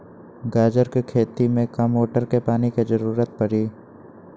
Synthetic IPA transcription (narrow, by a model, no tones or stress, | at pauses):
ɡaːd͡ʒəɾkekʰeːt̪imẽkɐmoːʈəɾkepaːnikezəɾuːɾət̪̚pəɽiː